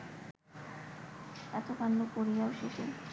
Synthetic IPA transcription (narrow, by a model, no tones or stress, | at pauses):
ɛt̪okanːokoɾijaoʃeʃḛ